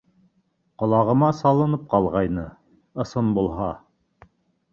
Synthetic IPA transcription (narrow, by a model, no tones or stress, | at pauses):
qŏlˠɑʁɤ̆mɑsɑlˠɤ̆nɤp̚qɑlˠʁɑjnɤ | ɤ̆sɤnbulˠɦɑ